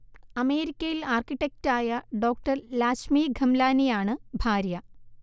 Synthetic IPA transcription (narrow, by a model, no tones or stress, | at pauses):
ɐme̞ːɾikʲːɐjilaːrkiʈːek̚taːjɐɖo̞ːk̚ʈɐrlaːɕmiːɡʱɐmlaːnijaːɳɨbʱaːɾjɐ